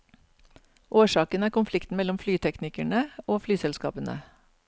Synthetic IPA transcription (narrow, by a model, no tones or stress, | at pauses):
ʔoːʃɑːkənæːɾkʊnflɪkt̪n̩mɛlɔmflyːt̪ʰɛknɪkæɳəoːflyːsɛlskɑ̰ːpənə̰